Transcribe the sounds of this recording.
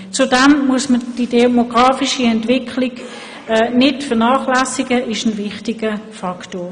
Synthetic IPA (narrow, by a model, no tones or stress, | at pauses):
t͡sudɛmmuəsməd̥idemoɡ̥ʁɑːfiʃiɛntv̥ɪkʰlɪɡ | ɛːnɪtfəʁnaːχlæsiɡəʔɪʃənvɪχtɪɡəfɑktoː